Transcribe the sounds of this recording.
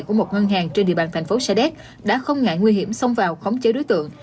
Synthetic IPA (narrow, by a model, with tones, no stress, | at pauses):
jku˧˩əmo˨˩t̚ŋə˧nɦaː˨˩ŋt͡ɕe˧nɗḭ˧˨əɓaː˧nt̪ʰŋ̟fo˨˦sa˧ɗɛ˦˥k̚ | ɗa̰ː˧˥xə˧wŋ͡mŋa̰ː˧˨jŋwi˧ɦi˧˩əmsə˧wŋ͡mvaː˨˩wxə˨˦wŋ͡mt͡ɕe˨˦ɗo˨˦jt̪ɨ̰˧˨əŋ